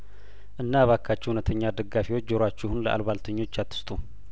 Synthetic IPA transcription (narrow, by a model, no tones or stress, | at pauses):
ʔɨnːaβakʰːat͡ʃːɛhunət̪ʰəɲːad̪əɡːafiwo̞t͡ʃːd͡ʒoɾat͡ʃːɛhunləʔa̰lβalt̪ʰəɲːo̞t͡ʃːat̪ʰːɨ̥st̪ʼu